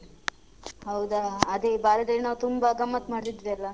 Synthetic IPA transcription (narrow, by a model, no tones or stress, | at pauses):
ɦɐwd̪aːd̪ebaːɾɐd̪eɭinaːʋut̪umbɐɡɐmːɐt̪maːɽt̪id̪ʋiɐlːɐ